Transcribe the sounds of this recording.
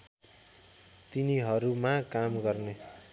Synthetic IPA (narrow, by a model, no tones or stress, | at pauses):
t̪iniɦʌɾumakamɡʌrne